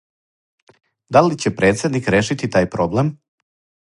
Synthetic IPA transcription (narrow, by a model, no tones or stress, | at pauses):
d̪alit͡ɕe̞pɾe̞ːt̪sje̞d̪nikɾeːʃit̪it̪aːjpɾo̞blem